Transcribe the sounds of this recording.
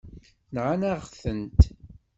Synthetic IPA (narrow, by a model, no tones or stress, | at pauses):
nʕanaʁθənt̪